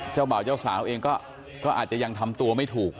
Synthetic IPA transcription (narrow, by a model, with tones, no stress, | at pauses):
t͡ɕaː˥˩wbaː˨˩wt͡ɕaː˥˩wsaː˩˦wʔeː˧ŋkɔː˥˩ | kɔː˥˩ʔaː˨˩t̪̚t͡ɕa˨˩ja˧ŋt̪ʰa˧mt̪u˧ɐma˥˩jt̪ʰuː˨˩k̚